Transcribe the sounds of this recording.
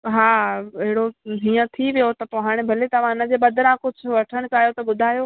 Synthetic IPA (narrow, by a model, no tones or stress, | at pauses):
ɦaːɐɦɪɽoɦĩːə̃t̪ʰiʋijot̪ɐt̪oɦaːɽ̃ebʱɐlet̪ɐʋ̤ãɪnə̆d͡ʑeːbɐd̪ʱəɾãkʊd͡ʑʱʊ̆ʋɐʈʰəɽ̃kaːjot̪ɐbʊd̪ʱaːjoː